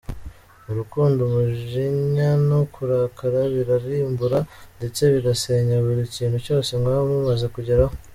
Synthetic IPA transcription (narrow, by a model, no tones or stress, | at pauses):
uɾukuːndomuʒiɲanokuɾaːkʰaɾaβiɾaɾiːmbuɾande̞t͡se̞βiɾase̞ɲaβuɾiciːnhuco̞ːse̞ŋɡaomumaze̞kuɟeɾaho